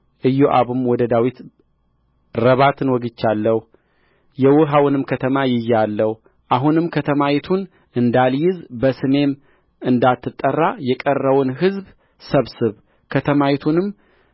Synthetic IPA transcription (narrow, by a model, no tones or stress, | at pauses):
ʔɨjːoʔaβumwɔd̪əd̪awit̪ | ɾəβat̪ʰɨnwɔɡɨt͡ʃːalːəh | jɛwʊɦawɨnɨmkʰət̪ʰəmajɪjalːəh | ʔaɦunɨmkʰət̪ʰəmawɛt̪ʰun | ʔɨnd̪aljɪzbəsɨme̞m | ɨnd̪at̪ʰːɨt̪ʼːərːajɛkʼərːəwʊnɦɨzb | səβsɨβ | kʰət̪ʰəmawɛt̪ʰunɨm